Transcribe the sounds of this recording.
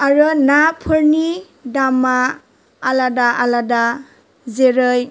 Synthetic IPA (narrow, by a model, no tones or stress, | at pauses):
aɾɯnapʰɯɾni | damːaː | ladaʔalada | zeɾɯj